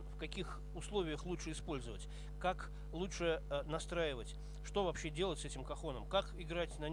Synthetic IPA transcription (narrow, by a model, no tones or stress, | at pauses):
fkɐkʲix | ʊslˠo̞vʲɪjəxlˠutʂɨɪspo̞lʲzəvətʲ | kak | lˠutʂɨnɐst̪ɾajɪvətʲ | ʂt̪o̞vɐpɕːe̞dʲe̞lˠətʲsɛtʲɪmkɐxo̞nəmkakɪɡɾatʲnɐnʲ